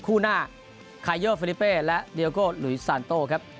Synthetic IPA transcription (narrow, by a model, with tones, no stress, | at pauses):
kʰuː˥˩naː˥˩ | kʰaː˧jɤː˥˩fi˧li˦˥pːeː˥˩lɛ˦˥ʔdi˧koː˥˩lu˩˦jsaː˧˩nt̪oː˥˩kʰa˦˥p̚